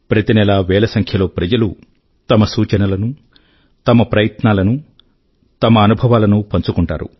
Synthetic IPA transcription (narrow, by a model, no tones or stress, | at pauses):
pɾɐt̪inɛlaːʋɛːlɐsɐŋkʰjɐlo̞ːpɾɐd͡ʒɐlu | t̪ɐmɐsuːt͡ʃɐnɐlɐnu | t̪ɐmɐpɾɐjɐt̪naːlɐnu | t̪ɐmɐːnubʱɐʋaːlɐnupɐɲt͡ʃukuɳʈa̰ːɾṵ